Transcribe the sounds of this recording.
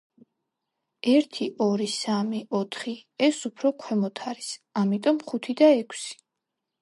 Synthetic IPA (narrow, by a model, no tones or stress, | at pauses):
ɛɾt̪ʰiʔɔɾisamiɔt̪ʰχiɛsupʰɾɔkʰwɛmɔt̪ʰaɾisamit̪ʼɔmχut̪ʰid̪aɛkʰsi̥